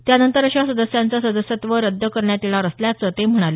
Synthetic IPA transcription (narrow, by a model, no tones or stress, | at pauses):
t̪janənt̪əɾəɕasəd̪əsjant͡sasəd̪əsjət̪ʋəɾəd̪ʱːəkəɾɳjat̪ilaɾəsljat͡sət̪em̤əɽ̃ale